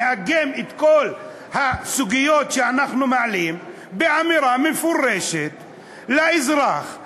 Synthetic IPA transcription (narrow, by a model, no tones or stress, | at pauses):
haɡemet̪kol | hasuɡijot̪ʃeanaχnumaʕalim | beʕamiɾamefuɾeʃet̪ | laizɾaχ